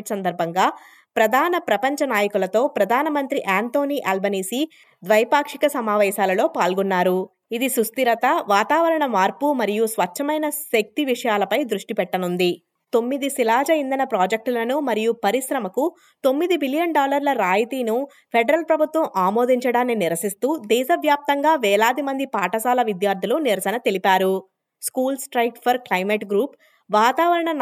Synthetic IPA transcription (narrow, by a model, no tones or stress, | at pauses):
ʈsɐnd̪ɐɾbʱɐŋɡaː | pɾɐd̪ʱaːnɐpɾɐpɐɲt͡ʃɐnaːjɐkulɐt̪o̞ːpɾɐd̪ʱaːnɐmɐnt̪ɾiʔaːnt̪o̞ːniʔɐlbɐniːsi | d̪ʋɐjpaːkʂikɐsɐmaːʋɛːʃaːlɐlo̞ːpaːlɡunːaːɾu | id̪isɾust̪iɾɐt̪ɐʋaːt̪aːʋɐɾɐɳɐmaːɾpumɐɾijusʋɐt͡ʃʃʰːɐmɐjnɐsek̚t̪iʋiʂɐjaːlɐpɐjd̪ɾuʂʈipɛʈːɐnund̪i | t̪o̞mːid̪isilaːd͡ʒɐind̪ɐnɐpɾaːd͡ʒek̚ʈulɐnumɐɾijupɐɾisɾɐmɐku | t̪o̞mːid̪ibilijɐɳɖaːlɐɾlɐɾaːjit̪iːnu | pʰeɖɐɾɐlpɾɐbʱut̪ʋɐmaːmoːd̪iɲt͡ʃɐɽaːnːiniɾɐsist̪uːd̪ɛːʃɐʋjaːp̚t̪ɐŋɡaːʋɛːlaːd̪imɐnd̪ipaːʈɐsaːlɐʋid̪jaːɾd̪ʱiluniɾɐsɐnɐt̪elipaːɾu | skuːlsʈɾɐjkʈpʰɐɾklɐjmeʈɡɾuːp | ʋaːt̪aːʋɐɾɐɳɐ